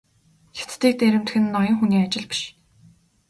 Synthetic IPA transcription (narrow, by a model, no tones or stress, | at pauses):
xḁt͡s̪t̪iːk̚t̪eɾɘ̆m̥t̪xɘ̆nːɔjɞ̆ŋxuniːat͡ɕɪ̆ɮpi̥ʃ